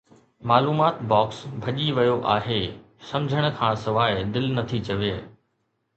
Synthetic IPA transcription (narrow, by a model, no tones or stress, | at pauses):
maːluːmaːt̪bɔːksbʱɐʄiʋɐjoʔaːɦeː | sɐ̃md͡ʑʱəɽ̃̆kʰãːsɐʋaːɪd̪ɪlnɐt̪ʰit͡ɕɐʋeː